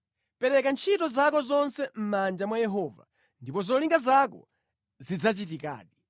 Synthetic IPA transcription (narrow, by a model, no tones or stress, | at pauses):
pɛɾɛkant͡ʃʰitɔzakɔzɔnsɛm̩mand͡ʒamwajɛɦɔva̰ | ndipɔzɔliŋɡazakɔ̰ | zid͡zat͡ʃit̬ika̰ːɗi